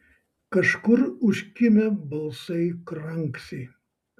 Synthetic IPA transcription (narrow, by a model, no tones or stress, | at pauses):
kɐʃkʊɾʊʃʲkʲɪmʲɛbɐlˠsɐɪkɾɐŋksʲɛɪ